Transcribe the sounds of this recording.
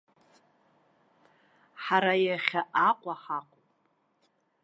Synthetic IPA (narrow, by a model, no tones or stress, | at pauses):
ħaɾajaχʲaʔaqʷʼaħaqʷʼupʼ